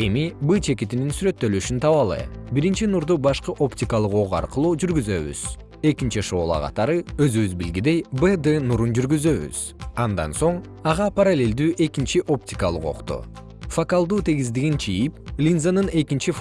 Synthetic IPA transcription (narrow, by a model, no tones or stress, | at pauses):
e̞mibɨt͡ʃʰe̞kit̪ininsyɾø̞t̪ːø̞lyʃynt̪ʰɑβɑlˠɯ̰biɾint͡ʃinuɾd̪ubɑʃqɯʔo̞ptʲikalˠɯqo̞ʁɑ̰ɾqɯlˠuːd͡ʒyɾɡyzø̞βy̰z̥ | e̞kint͡ʃiʃo̞ːlˠɑ̰qʰɑ̰t̪ɑɾɯø̞zyβyzbilɡid̪e̞jbed̪enuɾund͡ʒyɾɡyzø̞βy̰z̥ | ɑnd̪ɑ̰nso̞ɴ | ɑʁɑpaɾalʲe̞lʲd̪yːʔe̞kint͡ʃiʔo̞p̚tʲɪ̥kalˠɯqo̞̰qt̪ṵ | fokalˠd̪uːt̪ʰe̞ɡizd̪iɡint͡ʃʰijiplʲinzanɯne̞kint͡ʃif